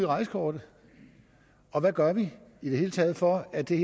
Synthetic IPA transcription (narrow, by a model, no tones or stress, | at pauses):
iʁɑ̈ɪsə̥kʰɒːd̥ə | ɒ̽ʋæɡ̥ɶɐʋiid̥ehe̝ːlət͡sʰɛːð̞̩ˠfɒ̽æd̥e̝